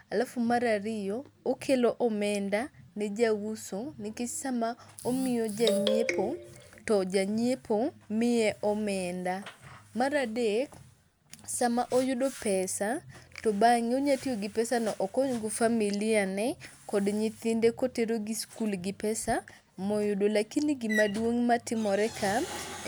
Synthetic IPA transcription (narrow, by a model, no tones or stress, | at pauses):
alafʊmaɾaɾɪjɔːkʰeloʔɔmɛndanɛd͡ʒawusonɪket͡ʃsamaomɪjod͡ʒaɲepotɔd͡ʒaɲepʰomɪɛʔɔmɛndamaɾadek | samaʔɔjʊdopɛsatɔbaŋioɲatioɡɪpɛsanɔʔɔkɔɲɡofamilɪanɛkɔdɲit̪ɪndekoteɾoɡiskulɡɪpɛsa | mɔjʊdolakiniɡimadwoŋmatɪmɔɾɛkʰam